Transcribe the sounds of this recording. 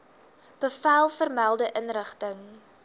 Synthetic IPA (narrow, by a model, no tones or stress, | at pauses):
b̥əfæːlˠfərmælˠdəʔənrəχtəŋ